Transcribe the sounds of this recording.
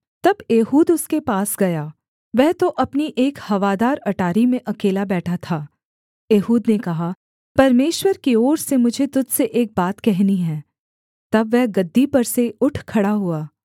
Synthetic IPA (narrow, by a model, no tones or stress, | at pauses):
t̪ɐbeːɦuːd̪ʊskepaːsɡɐjaː | ʋɛɦt̪oʔɐpniʔeːkhɐʋaːd̪aːɾɐʈaːɾimẽʔɐkeːlabɛːʈʰat̪ʰaː | eːɦuːd̪nekɐɦa | pɐɾmeːʃwəɾkiɔːɾsemʊd͡ʒʱet̪ʊd͡ʒ̪seʔeːk̚baːt̪kɛɦniɦɛ̃ː | t̪ɐbʋɛɦɡɐd̪ːipɐɾseʊʈʰkʰɐɽaɦuaː